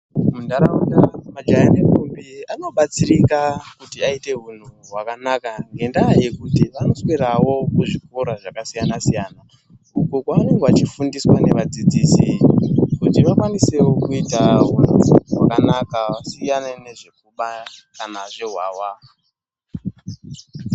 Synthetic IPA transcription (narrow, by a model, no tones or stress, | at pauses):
mundaɾauɗamad͡ʒajanekumbiano̞ɓat͡sirikakutiaite̞ɦun̤uɦwakanakaŋɡe̞ndaje̞kutiʋano̞sweɾawo̞kuʐikoɾaʐakasijanasijaːna | ukokwaane̞ŋɡeat͡ʃifundiswane̞ʋad͡zid͡ziːsikutiʋakwanise̞wo̞kuitaɦun̤uɦwakanakaʋasijanene̞ʐe̞k̚uɓakanaʐe̞ɦwaːwa